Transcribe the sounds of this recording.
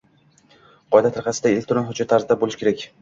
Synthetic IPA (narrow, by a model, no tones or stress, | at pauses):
qʰɒjd̪at̪ʰɪɾqɑsɪd̪aelʲk̚ʲt̪ʊɾɒnɦʊd͡ʒat̪ʰːaɾzɪd̪abolɪʃkʲʰe̞ɾakʲ